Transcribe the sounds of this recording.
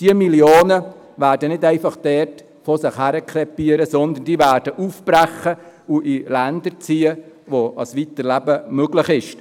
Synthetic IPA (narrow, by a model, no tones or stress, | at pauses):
d̥iəmiljoːnə | væːɾdənɪdɛɪfɑχd̥ɛt | fɔsɪχhæɾəkʰlɛpiəɾəsɔnd̪ən̩d̥iːvæːɾd̥əʔuːfb̥ɾæχːəuʔilændəɾt͡siːə | ʋoɑsʋit̪əɾlæbəmøɡlɪχɪʃ